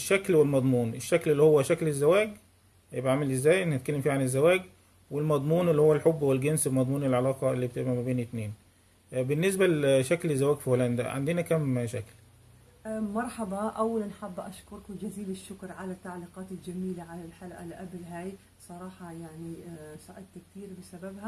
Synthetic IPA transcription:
ʃːæklwɪlmɑd̪ˤmuːnʔeʃːæklelːihowːæʃæklɪzːæwæːɡ | jebʔaʕamælezːæːjʔnæt̪̚kælːemfiːʕanezːæwæːɡ | welmɑd̪ˤmuːnelːihowːælħobːwelɡensbmɑd̪ˤmuːnelʕalɑːqɑelːibet̪ebʔæmæbeːnɪt̪neːn | bɪnːes̬bælʃæklezːæwæːɡfiholænd̪æ̰ʕa̰nd̪enækæmʃæ̰klː | mɑɾˤħɑbɑʔæwːælanħabːʔaʃkʊɾˤkwɪd͡ʒaziːlɪʃːʊkɾˤʕalat̪ːaʕliːqɑːt̪ɪld͡ʒamiːlaʕalalħalʔæ̰lʔæblɦaːj | sˤɑɾˤɑːħɑjaʕnisˤɑʔɪd̪̚t̪k̚t̪iːɾbɪsabæbhæ

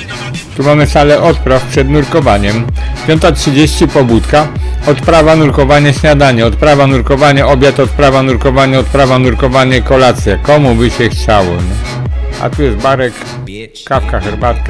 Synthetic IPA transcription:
t̪umamɘsalɛʔɔt̪̚pɾafpʂɛd̪nuɾkɔvaɲɛmpʲjɔnt̪atʂɘd͡ʑeɕt͡ɕipɔbut̪kaɔt̪pɾavanuɾkɔvaɲɛɕɲad̪aɲɛɔt̪̚pɾavanuɾkɔvaɲɛʔɔbʲjat̪ɔt̪̚pɾavanuɾkɔvaɲɛɔt̪̚pɾavanuɾkɔvaɲɛkɔlat̪sʲjakɔmubɘɕɛxt͡ɕawɔ | a̰t̪ujɛst̪baɾɛk | kafkaxɛɾbat̪ka

